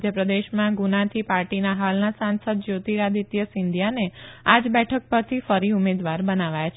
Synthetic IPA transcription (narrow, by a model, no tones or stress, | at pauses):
d̪jəpɾəd̪eʃmãɡunat̪ʰipaɾʈinaɦalnasãnsəd̪̚d͡ʒot̪iɾad̪it̪jəsɪnd̪ʱjanead͡ʒbɛʈʰək̚pəɾt̪ʰifəɾiumed̪ʋaɾbənaʋajat͡ʃʰ